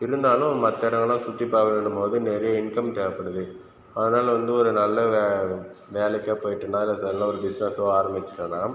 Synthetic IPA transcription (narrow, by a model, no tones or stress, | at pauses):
ɪɾɯnd̪aːlɯ̃mmɐt̪ːeːɾɐŋɡɐɭãːsʊt̪ːɪpːaːʋɐʋeːɳɯmpoːðɯnɛɾɐjɐɪnkɐmt̪ɛːɐpːɐɽɯðɯ | ɐðɯnaːlɐʋɐnd̪ɯɔɾɯnɐlːɐ | ʋeːlɛkːɐpoːjɪʈːɯnːaːɪlːɐsɐɐlãːɔɾɯd̪ɪsʋaːsɐʋoaːɾɐmbɪt͡ʃːɪ̥ʈːɐlaːm